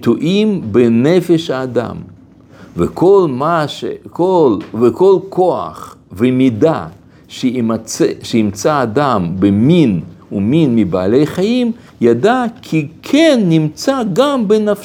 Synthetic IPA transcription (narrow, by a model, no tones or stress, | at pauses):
t̪uʔimbenefeʃhaːd̪a̰m | vekʰolmaʃekolvekolkʰoa̰χ | vemid̪a | ʃemt͡sʃeimt͡saːd̪ambeminuminmibaːlejχajim | jad̪akʰikʰenːimt͡saɡambenaf